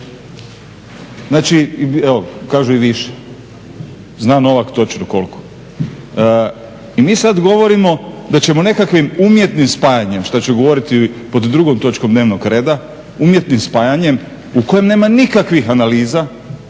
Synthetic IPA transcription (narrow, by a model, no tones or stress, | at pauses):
znaːt͡ʃiɛʋokaːʒuiʋiʃe̥ | znaːno̞ʋakt̪o̞t͡ʃnoko̞̰lko̥ | imiːsad̪ɡo̞ʋo̞ɾimo̞d̪at͡ɕe̞monekakʋimumje̞t̪nimspaːjaɲe̞mʃt̪at͡ɕeɡo̞ʋo̞ɾit̪ipod̪d̪ɾuɡomt̪o̞t͡ʃkomd̪neːʋnoɡɾe̞ːd̪a | umje̞t̪nimspaːjaɲe̞m | uko̞jemne̞ːmanikakʋixanaliːza